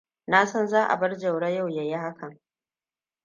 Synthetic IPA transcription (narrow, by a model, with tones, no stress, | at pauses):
na˦sɔ˦nzaː˦ʔa̰˨bɐ˦rd͡ʒɐ˨wɽa˦ja˦˨wja˨je˦ha˦kʰɐ˨ŋ